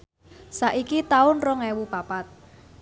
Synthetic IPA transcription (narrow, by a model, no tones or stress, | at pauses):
saʔikit̪aʊnrɔŋɛwupapat̪̚